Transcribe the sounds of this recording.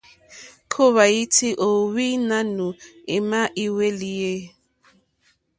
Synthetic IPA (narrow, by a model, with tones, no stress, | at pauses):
kʰo˦βa˨i˦ti˦ʔo˨wi˦na˦nu˨e˨ma˦ʔi˦we˦li˦je˦